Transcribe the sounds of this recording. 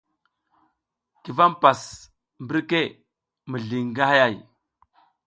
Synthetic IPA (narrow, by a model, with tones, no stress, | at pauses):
ki˨va˦mpa˨s | mbi˦ɾke˦ | mə˨ɮi˨ŋɡa˦ha˦ja˦˨j